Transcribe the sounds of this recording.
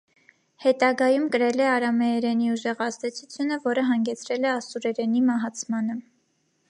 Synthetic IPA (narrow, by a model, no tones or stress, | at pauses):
hɛt̪ɑɡɑjumkəɾɛlɛɑɾɑmɛɛɾɛniuʒɛʁɑzd̪ɛt͡sʰut͡sʰjunəvɔɾəɦɑŋɡɛt͡sʰɾɛlɛɑsuɾɛɾɛnimɑɦɑt͡sʰmɑnə